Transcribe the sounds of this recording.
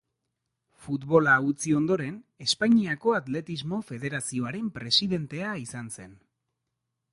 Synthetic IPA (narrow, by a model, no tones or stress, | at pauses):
fut̪βo̞laut͡sio̞nd̪o̞ɾe̞ne̞spaɲiako̞at̪le̞t̪izmo̞fe̞ð̞e̞ɾasio̞aɾe̞mpɾe̞siðe̞nt̪e̞aisanse̞n